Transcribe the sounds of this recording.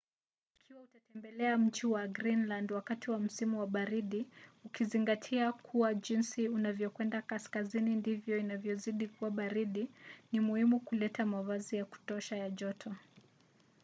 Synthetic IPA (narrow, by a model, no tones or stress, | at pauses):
ikʰiwautatɛmbɛlɛam̩t͡ʃiwaɡɾinlandwakatiwam̩simuwaɓaɾiɗiukiziŋɡatʰiakʰuwaʄinsiunavjɔkwɛndakaskazinindivjɔinavjɔziɗikuwaɓaɾiɗinimuhimukulɛtamavazijaku̥tɔʃajaʄɔtʰɔ